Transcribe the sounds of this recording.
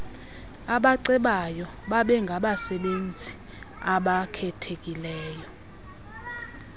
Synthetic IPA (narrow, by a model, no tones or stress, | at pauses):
aɓaǀɛɓajɔ | ɓaɓɛŋɡʱaɓasɛɓend͡zʱi | aɓakʰɛtʰek̬ʼilɛːjɔ